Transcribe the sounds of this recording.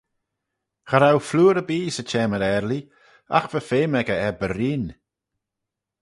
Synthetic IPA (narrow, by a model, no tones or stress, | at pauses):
xəɾawfluːɾəbiːsət͡ʃʰɛːməɾɛɾli | a̰xvəfeːmɛɡəɛbəɾiːn